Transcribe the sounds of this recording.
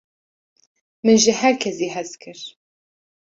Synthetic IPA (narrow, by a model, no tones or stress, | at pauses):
mɨnʒɨhæɾkʰɛzeːɦɛzkʰɨɾ